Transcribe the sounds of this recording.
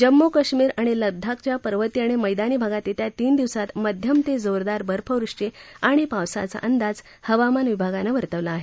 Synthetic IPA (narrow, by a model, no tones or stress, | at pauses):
d͡ʑəmːokəɕmiːɾaɽ̃iləb̚d̪ʱːakt͡ɕjapəɾʋət̪iaɽ̃iməjd̪aniːbʱaɡat̪jet̪ʰjat̪iːnd̪iʋsat̪məd̪ʱjəmt̪ed͡zoɾd̪aɾbəɾpʰəʋɾuʂt͡ɕe | aɽ̃ipaʋsa̰t͡sa̰ʔənd̪ad͡z | həʋamanʋibʱaɡanəʋəɾt̪əʋlaːɦe